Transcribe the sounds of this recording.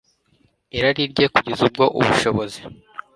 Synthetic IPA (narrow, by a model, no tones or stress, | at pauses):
eɾaɾiɾɟe̞kuɟezub̚ɡo̞ʔṵβuʃo̞βo̞zi